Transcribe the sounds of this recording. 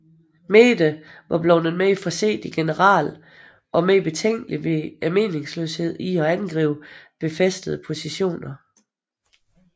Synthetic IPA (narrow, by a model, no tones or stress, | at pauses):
meːd̥əʋɑ̈b̥lɒ̽ʊnəmeifɒ̽se̝̰ːd̥iɡ̥e̝nəʁɑ̰̈ːl | ʔɒ̽meib̥e̝t͡sʰeŋ̰ɡ̥əliʋe̝æme̝̰ːne̝ŋslø̰ːshe̝ð̞̰ˠiɒ̽ænɡ̥ʁḭːʊb̥e̝fesd̥əðˠəpʰo̝siɕo̝̰ːnɐ